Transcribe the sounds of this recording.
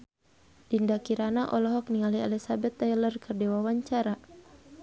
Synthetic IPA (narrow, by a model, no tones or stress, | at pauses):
dindakiɾanaʔɔlɔɦɔk̚niŋalialisabɛt̪ːajlərkɨrdɛwawaɲt͡ʃaɾa